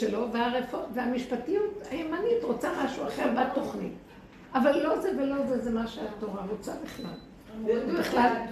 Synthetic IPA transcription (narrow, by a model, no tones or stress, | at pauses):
elo̞veaʁefoveamiʃpatijut̪ajemanitʁo̞t͡samaʃuaχe̞ʁbat̪o̞χnḭt | avalːo̞zevelo̞zezemaʃeat̪o̞ʁaʁo̞t͡sabiχla̰l | biχlal